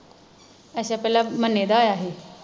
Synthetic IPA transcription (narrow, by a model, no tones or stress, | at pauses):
əɕapɛːlamənːed̪aːjaːɦe